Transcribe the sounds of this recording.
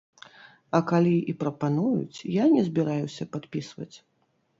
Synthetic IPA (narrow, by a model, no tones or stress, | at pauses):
ɐkalʲiipɾɐpanujṵt͡sʲjanʲɛzʲbʲiɾajusʲɐpat̪pʲisvɐ̰t͡sʲ